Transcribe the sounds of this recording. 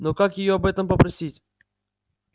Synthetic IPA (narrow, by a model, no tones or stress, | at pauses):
nokakjɪjoɐbɛt̪əmpəpɾɐsʲitʲ